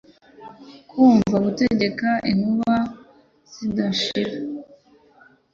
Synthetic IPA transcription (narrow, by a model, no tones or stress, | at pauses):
kʰuːɱvaɡute̞ɟe̞kaʔinuβa | z̥idaʃiɾa